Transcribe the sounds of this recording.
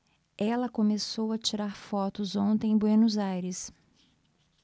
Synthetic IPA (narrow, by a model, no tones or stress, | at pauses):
ɛlɐkõmesowɐt͡ʃiɾaɾfɔt̪ʊzõnt̪ẽj̃bwenuzajɾɪs